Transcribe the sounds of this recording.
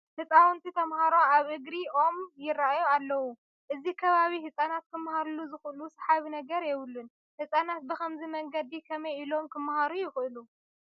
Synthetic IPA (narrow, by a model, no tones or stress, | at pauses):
hɨt͡sʼawɔnt̪ʰit̪ʰɐmhaɾo̞ʔaβʔɨɡɾiʔo̞mjɪrːaʔajoalːɐwu | ʔɨzikʰɐβaβihɨsʼanat̪kʰɨmhaɾuluzɨxʔɨlusħaβinɐɡɐɾjɛβɨlːun | hɨsʼanat̪̚bɨxɐmzimɐŋɡɐd̪ikʰɐmɐjʔilo̞mkʰɨmhaɾujɪxʔɨlu